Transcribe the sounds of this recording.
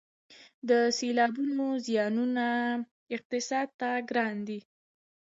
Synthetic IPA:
d̪əselɑbunozjɑnuna | ɪq̚t̪ɪsɑd̪̚t̪aɡɾɑnd̪i

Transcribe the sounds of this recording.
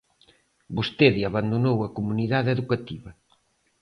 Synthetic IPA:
bost̪eðiaβand̪onowɐkomuniðaðeðukat̪iβɐ

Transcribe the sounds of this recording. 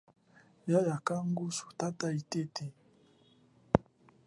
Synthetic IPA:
jajakaŋɡusu̥tataitete

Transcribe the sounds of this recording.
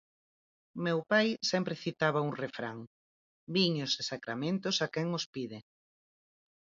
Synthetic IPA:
mewpajsɛmpɾɪθit̪aβauŋrefɾaŋ | biɲosesakɾamẽnt̪ʊsakɛŋospiðɪ

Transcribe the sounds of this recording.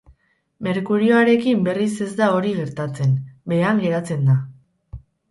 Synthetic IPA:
me̞ɾkuɾio̞aɾe̞kimbe̞rise̞zd̪ao̞ɾiɣe̞ɾt̪at͡se̞nbe̞aŋɡe̞ɾat͡se̞nd̪a

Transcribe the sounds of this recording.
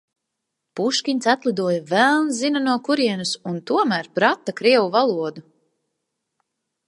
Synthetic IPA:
puʃkʲiɲʲtsat̪lˠid̪uɔjvælˠnzinanuɔkuɾiɛnusunt̪uɔmæːɾpɾat̪ːakɾiɛwuvalˠuɔd̪u

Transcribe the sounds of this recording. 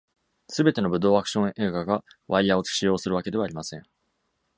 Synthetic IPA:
sɨbe̞t̪e̞no̞bɯ̟d̪o̞ːakɯ̥ɕõ̞ʔe̞ːɡaɡaβaijao̞t͡sɨ̥ɕijo̞ːsɨɾɯβ̞ake̞d̪e̞βaːɾʲimasẽ̞ŋ

